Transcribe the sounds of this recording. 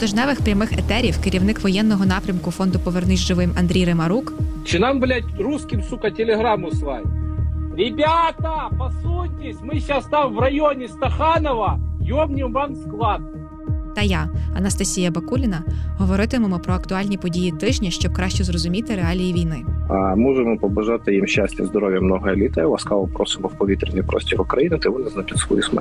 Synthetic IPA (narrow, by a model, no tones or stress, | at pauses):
t̪ɐʒnɛʋɪxpɾʲɐmɪxɛt̪ɛɾʲiwkɪɾʲiwnɪkʋɔjɛnːɔɦɔnɑpɾʲɐmkʊfɔnd̪ʊpɔʋernɪzʲʒɪʋɪmɐnd̪ʲɾʲijɾemɐɾukt͡ʃɪnamblʲatʲruskʲɪmsukɐtʲɪlʲɪɦɾamʊsʋajʲɾʲɪbʲat̪ɐpɐsutʲɪsʲmɪɕast̪amʋrɐjonʲɪst̪ɐxanɔʋɐjomnʲɪmvamsklˠɑd̪̚ | t̪ɐjaɐnɐst̪ɐsʲijɐbɐkulʲɪnɐɦɔʋɔɾɪt̪ɪmɔmɔpɾɔɐkt̪ʊɑlʲnʲipɔdʲijit̪ɪʒnʲɐʃt͡ʃɔb̚kɾɑʃt͡ʃɔzrɔzʊmʲit̪ɪɾeɑlʲijiʋʲijnɪamɔʒemɔpɔbɐʒat̪ɪjimʃt͡ʃasʲtʲɐzd̪ɔɾɔʋʲjɐmnɔɦɐelʲit̪ɐjɐlˠɐskalˠɔpɾɔsɪbɔwpɔʋʲit̪ɾʲɪnʲijpɾɔ̰sʲtʲiɾʊkɾɐjinɪt̪ɛmɔnɛznat͡ʃʲɪt̪ʲsʋɔ̰jusmɛ̰